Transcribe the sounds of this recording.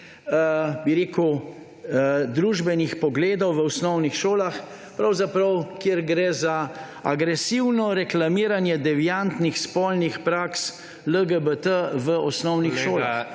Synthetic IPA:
əbiɾeːkuw | d̪ɾuːʒbɛnixpɔɡleːd̪ɔwʋəɔsnɔwnixʃoːlax | pɾawzapɾawkjeɾɡɾɛːza | aɡɾɛsiwnɔɾɛklamiːɾanjɛd̪ɛʋijant̪nixspɔlnixpɾaks | ləɡəbət̪əʋəɔsnɔwnixʃoːlax

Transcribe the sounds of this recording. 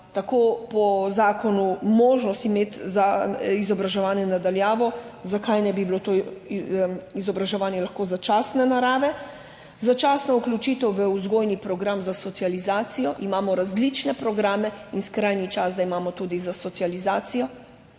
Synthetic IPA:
t̪akoːpɔzaːkɔnumoːʒnɔst̪imeːt̪zaizɔbɾaʒɛʋaːnjɛnad̪aljaːʋɔzakajnɛjbibilot̪o | izɔbɾaʒɛʋaːnjɛlaxkoːzat͡ʃaːsnɛnaɾaːʋɛ | zat͡ʃaːsnɔuklʲut͡ʃiːt̪ɛwʋəuzɡoːjnipɾɔɡɾamzasɔt̪sializaːt̪sijɔʔimaːmɔɾazlit͡ʃnɛpɾɔɡɾaːmɛinskɾajnit͡ʃazd̪aimaːmɔt̪uːd̪izasɔt̪sializaːt̪sijɔ

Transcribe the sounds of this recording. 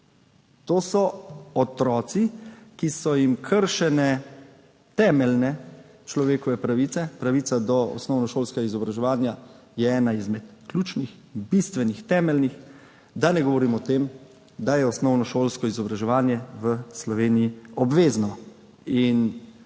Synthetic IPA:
t̪oːsɔɔt̪ɾɔːt̪sikisɔjimkʰəɾʃɛnɛ | t̪ɛːmɛlnɛ | t͡ʃlɔʋeːkɔʋɛpɾaʋit̪sɛpɾaʋiːt̪sad̪ɔɔ̰snɔwnɔʃoːlskɛɡaizɔbɾaʒɛʋaːnja | jɛɛːnaizmɛt̪kluːt͡ʃnix | bist̪ʋɛnixt̪ɛːmɛlnix | d̪anɛɡɔʋɔɾiːmɔt̪eːm | d̪ajɛɔsnɔwnɔʃoːlskɔizɔbɾaʒɛʋaːnjɛʋəslɔʋeːnijiɔbʋeːznɔ | in

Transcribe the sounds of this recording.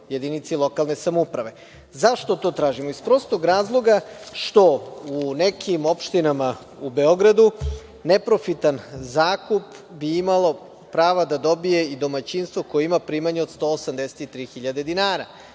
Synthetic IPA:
je̞d̪init̪silˠo̞kalˠne̞samupɾaʋe̞ | zaʃt̪o̞t̪o̞ːt̪ɾaːʒimoispɾo̞ːst̪oɡɾaːzlˠo̞ɡaʃt̪o̞unekʰimo̞pʃt̪inama | ube̞o̞ɡɾad̪u | ne̞pɾo̞fit̪anzaːkup | biimalo̞ | pɾaːʋad̪ad̪o̞bije̞id̪o̞mat͡ɕinst̪ʋoko̞jeimapɾiːmaɲeo̞d̪st̪o̞ːosamd̪e̞se̥t̪it̪ɾiːxiʎad̪e̞d̪inaːɾa̰

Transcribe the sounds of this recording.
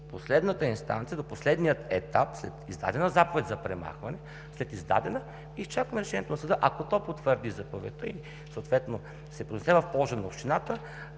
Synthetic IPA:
poslɛd̪nət̪əinst̪a̰nt̪sijəd̪oposlɛd̪nijət̪ɛt̪apslɛt̪izd̪a̰d̪ɛnəzapovɛt̪ʲzɐpɾɛma̰xvɐnɛ | slɛt̪izd̪a̰d̪ɛnə | ist͡ʃakvəmɛɾɛʃɛniɛt̪onɐsəd̪ɤʔakot̪ɔpot̪vəɾd̪izɐpovɛ̰t̪əi | səowt̪vɛt̪no | sɛpɾonɛsɛvɐfpɔlˠʒənɐopʃt̪inat̪ə

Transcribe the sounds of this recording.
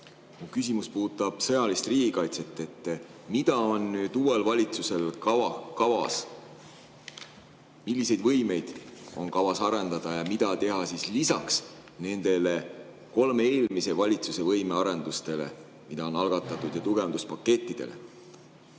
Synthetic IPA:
mukys̬imuspuːt̪ːˑɑb̥sɤ̞jɑlist̪riːɡ̥ʲikɑjt̪se̞t̪ːˑe̞t̪ːˑmid̪ɑo̞nːyːd̪̥uːe̞lvɑlʲit̪suse̞lkɑvɑkɑvɑ̰s | milʲːise̞jd̪vɤ̞jme̞jd̪̥o̞̰nkɑvɑsɑɾe̞nd̪ɑd̪̥ɑjɑmid̪ɑt̪e̞ɦɑsislisɑks | ne̞nd̪̥e̞le̞ | ko̞lmee̞ːlmise̞vɑlʲit̪suse̞vɤjme̞ɑɾe̞nd̪ust̪e̞le̞̰ | mid̪ɑo̞nɑlɡ̥ɑt̪ːˑɑt̪ːˑud̪jɑt̪uɡ̥e̞ɑnd̪uspɑkːe̞t̪ʲˑːid̪̥e̞̰le̞̰

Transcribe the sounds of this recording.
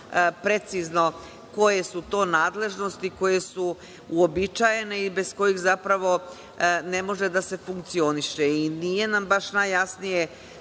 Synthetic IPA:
pɾe̞t̪sizno̞ | ko̞je̞sut̪o̞ːnaːd̪le̞ʒno̞st̪iko̞je̞su | uobit͡ʃaje̞ne̞ibe̞sko̞jixzapɾaʋo̞ | ne̞mo̞ʒed̪ase̞fuŋk̚t̪sio̞niʃeinije̞nambaʃnajːasnije

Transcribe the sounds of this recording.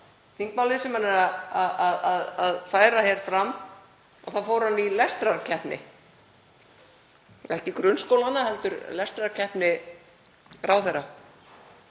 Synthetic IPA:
θiŋk̚palɪðsɛmːanɛɾaaðaðaðaðfaːjɾahɛɾ̥fɾamː | aθaðfowɾhanːilɛst̪ɾaɾcʰɛhpnɪ̰ | ɛhcɪkɾʏnskowlanahɛlt̪ʏɾlɛst̪ɾaɾcʰɛhpnɪ | ɾaːwθɛrːa

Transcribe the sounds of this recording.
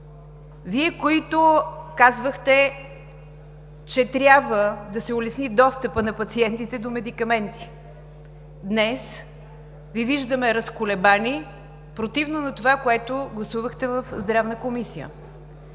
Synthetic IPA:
viɛkoit̪okazvəxt̪ɛ | t͡ʃɛt̪ɾʲjabvəd̪ɐsɛʊlɛsnid̪ɔst̪əpənɐpɐt̪siɛnt̪it̪ɛd̪omɛd̪ikɐmɛnt̪i̥ | d̪nɛs | viviʒd̪əmɛɾɐskʊlɛbani | pɾot̪ivnonɐt̪ovakoɛt̪oɡlˠɐsuvəxt̪ɛvəfzd̪ɾavnəkomisijə̰

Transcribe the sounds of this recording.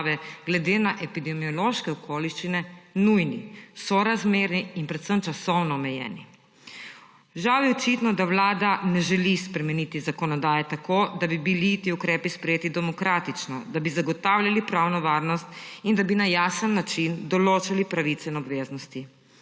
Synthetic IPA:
ʋɛɡlɛd̪eːnaʔɛpid̪ɛmiɔloʃkɛɔkʰoːliʃt͡ʃinɛnujnisɔɾazmeːɾniːnpɾɛt̪səmt͡ʃasɔwnɔːmɛjɛ̰ːni | ʒawjɛɔt͡ʃit̪nɔd̪awlaːd̪anɛʒɛlispɾɛmɛnit̪izakɔnɔd̪aːjɛt̪akod̪abibilit̪iukɾɛːpispɾɛjeːt̪id̪ɛmɔkɾaːt̪it͡ʃnɔ̰d̪abizaɡɔt̪awlʲjalipɾaːwnɔʋaːɾnɔst̪ind̪abinajaːsənːat͡ʃind̪ɔloːt͡ʃalipɾaʋit̪sɛinɔbʋeːznɔst̪i

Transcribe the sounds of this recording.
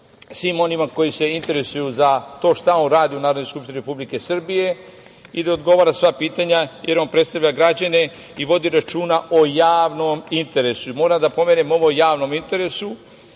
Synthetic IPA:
sʋimo̞nimako̞jise̞int̪e̞ɾe̞sujuzat̪o̞ːʃt̪ao̞nɾaːd̪iunaːɾod̪noskupʃt̪iniɾepublike̞sr̩bije̞ | id̪aod̪ɡo̞ʋaːɾasʋapiːt̪aɲaje̞ɾo̞npɾe̞t̪st̪aʋʎʲaɡɾad͡ʑane̞ | iʋo̞d̪iɾat͡ʃuːnaʔo̞jaːʋno̞mint̪e̞ɾe̞suimo̞ːɾad̪apo̞me̞nemo̞ʋojaːʋno̞mint̪e̞ɾe̞su

